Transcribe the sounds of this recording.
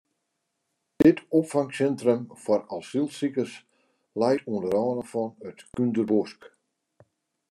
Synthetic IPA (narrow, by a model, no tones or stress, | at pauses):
d̥ɪtʰɔpfaŋsɛntrəmfɔralˠsilˠsikərs | lɛjtʰundəɾɔːnəfɔnətkyndərbosk